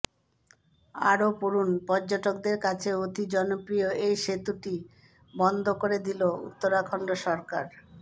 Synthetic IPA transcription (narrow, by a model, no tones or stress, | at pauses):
a̰ɾopuɾunpɔɾd͡ʑoʈokd̪eɾkat͡ɕʰeod̪ʱid͡ʑɔnopɾijoejʃet̪uʈi | bɔnd̪ʱokoɾed̪iloṵt̪ːoɾakʰɔɳɖoʃɔɾkaɾ